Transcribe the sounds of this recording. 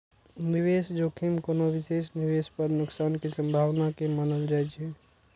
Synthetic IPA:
niʋeːsd͡ʒokʰimkoːnoʋɪseːsniʋeːspəɾnʊksaːnkisə̃mbʱaːʋnakemənəld͡ʒaɦɛt͡ʃʰe

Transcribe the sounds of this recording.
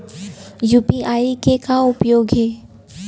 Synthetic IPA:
juːpiaːikekaʊpjoːɡɦɛː

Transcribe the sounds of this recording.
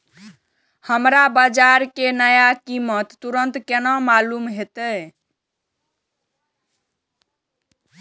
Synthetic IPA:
həmɾabəd͡ʒaɾkenəjakimət̪ːuɾənt̪kenɔmalumɦet̪ə

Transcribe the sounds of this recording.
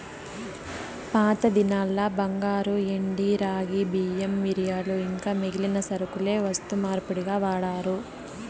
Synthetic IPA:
paːt̪ɐd̪inaːlːɐbɐŋɡaːɾueɳɖiɾaːɡibiːemːiɾijaːluiŋkaːmeɡilinɐsɐɾɐkule̞ːʋɐst̪umaːɾpuɽiɡaːʋaːɽaːɾu

